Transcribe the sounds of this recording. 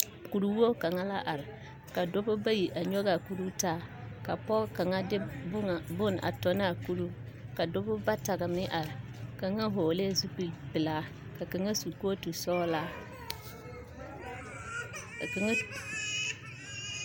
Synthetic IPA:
ku˨ɾu˨˦wu˦o˦ka˨ŋa˦la˦ʔa˨ɾɪ˨ | ka˨dʊ˦bʊ˦ba˦ji˨ʔa˨ɲɔ˦ɣa˨ku˨ɾu˦taː˦ka˨pɔ˦ka˨ŋa˦dɪ˦˨bʊ˦n˨ʔa̰˨tɔ˨na˦˨ku˦ɾu˦ | ka˨dʊ˦bʊ˦ba˦ta˨ɡa˨mɪ˦ʔa˨ɾɪ˨ | ka˨ŋa˦ɦoː˨le˦˨zu˦pi˨pɪ˨laː˦ | ka˨ka˨ŋa˦su˨ko˦tu˨sɔː˦la˦˨ | ŋ˦

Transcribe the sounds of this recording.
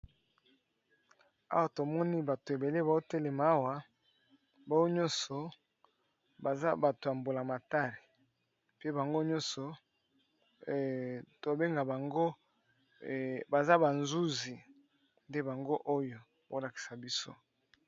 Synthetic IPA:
a̰˦wa˨to˨mɔ˦ni˦ba˨to˨e˨be˨le˦ba˨o˦te˦le˨ma˨a˦wa˨ | ba˦o˦ɲɔ̃˦nsɔ˨ | ba˨za˦ba˨to˨ja˨mbo˨la˨ma˨ta˦li˨ | pe˦ba˨ŋɡo˦ɲɔ̃˦nsɔ˨ | to˨be˦ŋɡa˨ba˨ŋɡo˦ | ba˨za˦ba˨nzu˦zi˨ | nde˦ba˨ŋɡo˦ʔo˦jo˨ | bo˦la˨ki̥˨sa˨bi˦so̰˦

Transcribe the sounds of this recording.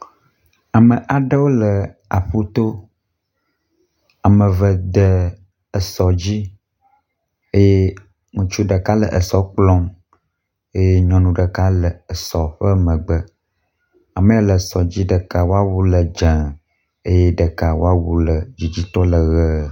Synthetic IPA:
a˨mə˨ʔa˨ɖə˦wo˦lə˨a˨ɸu˦t̪o˦ | a˨mə̃˨və˨d̪ə˨ | ə˨sɔ˨d͡ʑi˦ | e˦je˦ | ŋũ˨t͡ʃu˦ɖə˨ka˦lə̰˨ʔə˨sɔ˦k͡plɔ̃˦m | e˦je˦ɲɔ̃˦nũ˦ɖə˨ka˦lə˨ə˨sɔ˨ɸə˦mə̃˨ɡ͡bə˦ | a˨mə̃˨e˦lə˨sɔ˨d͡ʑi˦ɖə˨ka˨wo˦a˦wu˦lə˨d͡ʒə̃˨ | e˦je˦ɖə˨ka˨wo̰˦a˦wu˦lə˨d͡ʑi˨d͡ʑi˦t̪ɔ˦lə˨ɣə˦

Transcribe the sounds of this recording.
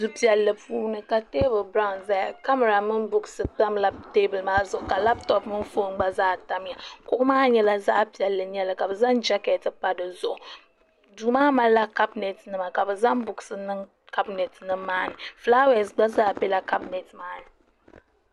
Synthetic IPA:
du˨pi˨˦ɛ˨lːɨ˨pʰuː˦nɨ˨ka˨te˦bɨ˨lbɾa˦˨nza˨ka˦ma˨ɾa˨mɨ˦nbʊ˦ɡɨ˨sɨ˨k͡pa˦mla˦te˦bɨ˨lmaː˦zʊ˨ʔʊ˨ka˨la˦ptɔ˨pmɨ˦nfo˦ŋ˦ɡ͡ba˦zaː˦ta˦m˦ja˨kʊ˦ʔʊ˦maː˦ɲɛ˦la˦za˦ʔpi˨ɛ˨lːɨ˨ɲɛ˦lɨ˨ka˨bɨ˨za˦nd͡ʒa˦kɛ˨tɨ˦pa˦dɨ˨zʊ˨ʔʊ˨ | duː˨maː˦ma˦la˦ka˦bnɛ˨tnɨ˦ma˨ka˨bɨ˨za˦mbʊ˨ɡsɨ˨nɨ˦ŋ | ka˦bnɛ˨tnɨ˦maː˦nɨ˨fla˦wɛ˨sɡ͡ba˦zaː˦pɛ˦la˦ka˦bnɛ˨tmaː˦nɨ˨

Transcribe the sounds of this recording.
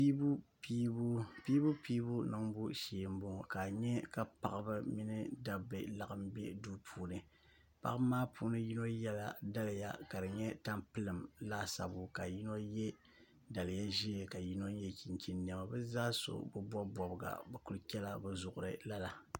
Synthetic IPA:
i˦pi˦bu˦pi˦bu˦piː˦bu˦nɨ˨ŋbu˦ʃeː˨m˦bo˦ŋ˨ka˨ɲɛ˦ka˦pa̰˨ʔɨ˦bɨ˦mi˦nɨ˦da˦bɨ˨la˨ɨ˦mbe˦du˦pʰuː˦nɨ˨ | pa̰˦ʔɨ˦maː˦pʰuː˦nɨ˦ji˦no˦jɛ˦la̰˦˨da˦lɨ˨ja̰˨ka˨dɨ˨ɲɛ˦ta˦mpɨ˦lɨ˨mla˦sa̰˨bʊ˦ka˨ji˦no˦jɛ˦ | da˨lɨ˨ja˦ʒi˦˨ka˨ji˦no˦jɛ˦kʰi˨nkʲi˦nː˨ɛ˨ma˨bɨ˦zaː˦so̰˨bɨ˦bɔ˦bɔ˨bɨ˨ɡa̰˨bɛ˨ku˦lɨ˦kʲɛ˦la˦bɛ˦zʊ˨ʔʊ˨ɾɨ˦˨la˦la˨

